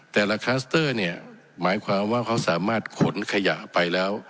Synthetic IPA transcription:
t̪ɛː˨˩la˧kʰaː˦˥st̪ɤː˥˩ni˥˩ə | maː˩˦jkʰwaː˧mwaː˥˩kʰa˦˥wsaː˩˦maː˥˩t̪̚kʰo˩˦nkʰa˧ja˨˩ʔpa˧jlɛː˦˥w

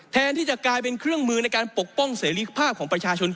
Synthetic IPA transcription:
t̪ʰɛː˧nt̪ʰiː˥˩t͡ɕa˨˩ʔklaː˧jp̬e˧nkʰɾɯ˥˩əŋmɯː˧na˧jkaː˧npo˨˩k̚pɔ˥˩ŋseː˩˦ɾiː˧pʰaː˥˩p̚kʰɔː˩˦ŋpɾa˧t͡ɕʰaː˧t͡ɕʰo˧n

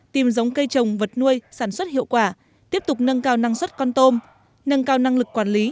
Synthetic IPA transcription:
t̪i˨˩mzə˨˦wŋ͡mkə˧jt͡ɕə˨˩wŋ͡mvə˨˩t̚nu˧əjsaː˧˩nswə˦˥t̚hḭ˧˨əwkwaː˧˩ | t̪i˦˥əp̚t̪ʊ˨˩k͡p̚nə˧nkaː˧wna˧ŋswə˦˥t̚kɔ˧nt̪o˧m | nə˧nkaː˧wna˧ŋlɨ˨˩kːwaː˨˩nli˨˦

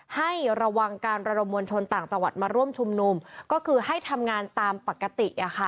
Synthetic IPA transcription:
ha˥˩jɾa˧wa˧ŋkaː˧nɾa˧do˧mːu˧nt͡ɕʰo˧nt̪aː˨˩ŋt͡ɕa˧ŋwa˨˩t̪̚maː˧ɾu˥˩əmt͡ɕʰu˧mnu˧mkɔː˥˩kʰɯː˧ha˥˩jt̪ʰa˧mŋaː˧nt̪aː˧mpa˨˩kːa˧t̪i˨˩ʔʔa˨˩kʰa˦˥˩

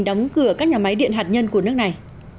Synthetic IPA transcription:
ŋ̟ɗɔ˨˦wŋ͡mkɨ˧˩əkaː˦˥k̚ɲaː˨˩ma˨˦jɗḭ˧˨ənɦa˨˩t̚ɲə˧nku˧˩ənɨ˦˥ək̚na˨˩j

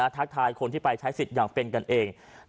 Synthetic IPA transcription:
t̪ʰa˦˥k̚t̪ʰaː˧jkʰo˧nt̪ʰiː˥˩pa˧jt͡ɕʰa˦˥jsi˨˩t̪̚jaː˨˩ŋpe˧nka˧nʔeː˧ŋ

